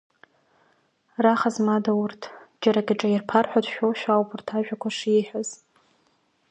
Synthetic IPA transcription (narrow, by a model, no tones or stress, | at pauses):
raχazmadawʊrtʰd͡ʒaɾaɡʲaʈ͡ʂʼajirpʰarħʷᶣadʰʃᶣowʃᶣawpʰʼʊrtʰaʒᶣakʷʰaʂiħʷᶣaz